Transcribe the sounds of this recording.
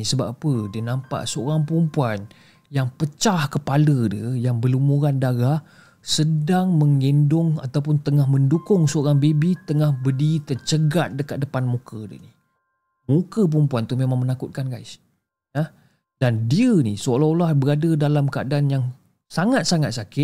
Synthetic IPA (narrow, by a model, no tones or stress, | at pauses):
isəba̰pədiənampa̰ʔsəoɾaŋpəɾumpuan | jaŋpət͡ʃahkəpalədiəjaŋbəlumuɾandaɾah | sədaŋməŋendʊŋa̰t̪awp̬ʊnt̪əŋahməndukʊŋsəoɾaŋbebit̪əŋahbədit̪ərt͡ʃəɡat̪̚dəka̰t̪̚dəpanmukʰədə̰ni | mukəp̬əɾumpuant̪umemaŋmənakʊt̪̚kanɡa̰js | nəh | d̥andiənisəlaolahbəɾadədalamkəa̰danjaŋ | saŋat̪̚saŋat̪̚sakɪt̪̚